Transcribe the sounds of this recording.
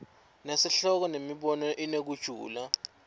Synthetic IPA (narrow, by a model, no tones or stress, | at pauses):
nesiɬɔk̬ɔnemiɓɔnɔʔinek̬ud̥ʒ̥ʱṵːla